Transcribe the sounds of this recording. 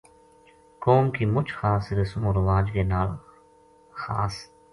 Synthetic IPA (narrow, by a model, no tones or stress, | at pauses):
koːmkimʊt͡ʃxaːsiɾesumoɾʋaːd͡ʒɡenaːl | xa̰ːs